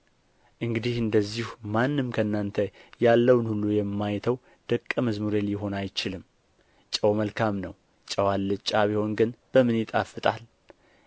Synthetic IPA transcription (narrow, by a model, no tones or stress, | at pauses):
ʔɨŋɡɨd̪ihɨnd̪əzːihumanːɨmkʰənːant̪ʰəjalːəwnhulːujɛmːajt̪ʰəw | d̪̥əkʼːəməzmuɾeljɪɦo̞najt͡ʃɪlɨm | t͡ʃʼəwməlkʰamnəw | t͡ʃʼəwalːɨt͡ʃʼaβiho̞nɡɨnb̥əmɨnjɪt̪ʼa̰fːɨt̪ʼal